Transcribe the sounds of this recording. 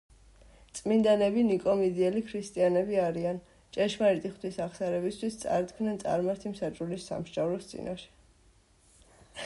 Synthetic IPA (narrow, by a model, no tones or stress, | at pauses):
t̪sʼmind̪anɛbinikʼɔmid̪iɛlikʰɾist̪ʼianɛbiaɾian | t͡ʃʼɛʃmait̪ʼiχt̪ʰwisaχsaɾɛbist̪ʰwist̪sʼa̰ɾt̪kʰmnɛnt̪sʼa̰ɾmaɾt̪ʰimsat͡ʃʼulisːa̰mʃd͡ʒʼavɾɔst̪sʼḭnaʃɛ̥